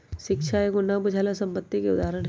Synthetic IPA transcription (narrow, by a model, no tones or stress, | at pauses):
ʃɪkʃʰaeɡʊnabʊd͡ʒʱaːlasɐ̃mpət̪ːikeʊd̪aːɾəñɦ